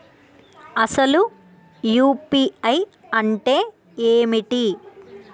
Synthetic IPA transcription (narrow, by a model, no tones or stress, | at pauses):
ɐsɐlu | juːpiːɐj | ɐɳʈe̞ː | eːmiʈi